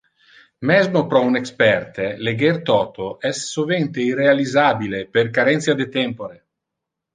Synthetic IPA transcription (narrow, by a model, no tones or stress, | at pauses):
mɛzmopɾɔunekspɛrt̪eleɡert̪ɔt̪oʔɛsːovent̪eirealizabileperkaɾɛnt̪sjad̪et̪ɛmpoɾe